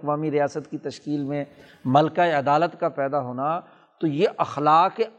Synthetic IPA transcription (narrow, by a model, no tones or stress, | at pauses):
kʋaːmiɾijaːsət̪kit̪ɐʃkiːlmẽ | mɐlkaeɐd̪aːlət̪kapɛːd̪aɦoːna | t̪ojeʔɐxlaːke